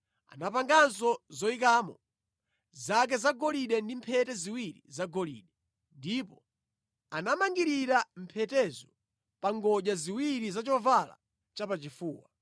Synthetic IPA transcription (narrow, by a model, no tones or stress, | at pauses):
a̰napaŋɡans̬ɔzɔikaːmɔ | zak̬ɛzaɡɔliɗɛndimpʰɛtɛziwiɾḭzaɡɔlḭːɗɛ | ndipɔ | anamaŋɡiɾiɾam̩pʰɛtɛzɔ | paŋɡɔʄaziwiɾizat͡ʃɔvala̰ | t͡ʃapat͡ʃifuːwa